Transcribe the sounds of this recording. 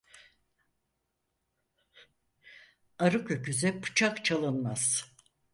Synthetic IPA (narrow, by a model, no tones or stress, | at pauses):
aɾɯkʰøcʰyzɛpʰɯ̥t͡ʃʰakt͡ʃʰalˠɯnmaz̥